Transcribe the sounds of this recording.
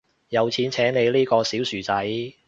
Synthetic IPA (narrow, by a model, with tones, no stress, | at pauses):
jɐ˨˧wt͡sʰiː˨˥nt͡sʰɛː˨˥ŋne˨˧jliː˥kɔː˧siː˨˥wsyː˨˩t͡sɐ˨˥j